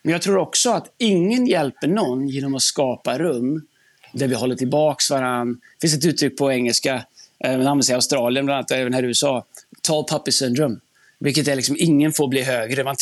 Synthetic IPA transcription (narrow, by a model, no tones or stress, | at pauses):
mɛnjɑɡt̪ʰɾuːɾɔksɔat̪ɪŋːənjɛlpəɳɔnːjeːnɔmat̪skɑːpaɾɵmː | d̪æɾvɪɦɔlːəʈʰɪlbɑːksvaɾanː | fɪns̬ɛt̪ʉ̟ːt̪ʰɾʏk̚ːpʰɔɛŋːəlskamananvɛsɛɪaʊst̪ɾɑːlɪənblanat̪ːɛːvənhæːɾʉːsɑːt̪ʰɑːpʰapːɪsɛnɾɵm | vɪlkːət̪æɾɭɪksɔmɪŋːənfoːɾbliːɦøːɡɾəman